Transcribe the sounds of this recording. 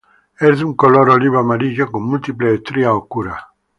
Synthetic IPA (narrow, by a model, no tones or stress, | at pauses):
ɛɾd̪uŋkoloɾoliβamaɾiʒakumːult̪ipleet̪ɾiaokuɾa